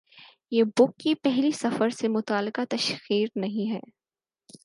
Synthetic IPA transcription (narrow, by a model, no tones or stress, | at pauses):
jeːbʊkːipɛɦlisɐfəɾsemʊt̪aːlɪqat̪ɐʃxiːɾnɐɦĩɦɛ̰ː